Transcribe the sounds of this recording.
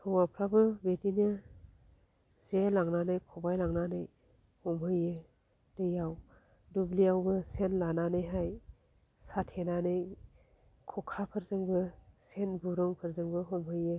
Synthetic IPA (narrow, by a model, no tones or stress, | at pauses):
tʰɔwapʰɾabɯbetinɯ | zelaŋnanɯjkʰɔbajlaŋnanɯj | hɔmɦɯjɯ | d̥ɯjaw | dubliawbɯsenlananɯjɦaj | satʰenanɯj | kʰɔkʰapʰɯɾzɯŋbɯsenbuɾɔŋpʰɯɾzɯŋbɯɦɔmɦɯjɯ